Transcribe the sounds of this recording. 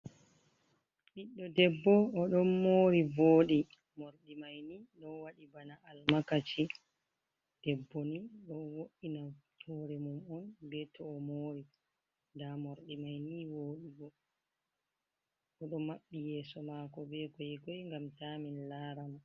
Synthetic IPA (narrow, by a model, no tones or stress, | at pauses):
ɗiɗːɔdɛbːɔːɗɔnmoːɾivoːɗi | moɾɗimajniɗɔwaɗibanaalmakat͡ʃi | d̥ɛbːɔniɗɔwoɗːinatʰɔɾɛmumɔnbɛtʰɔɔmoːɾi | ndamoɾɗimajniwoːɗiɡɔ | ɔɗɔmaɓːijɛːsɔmakɔbɛkɔjɡɔjŋɡamtaminlaːɾama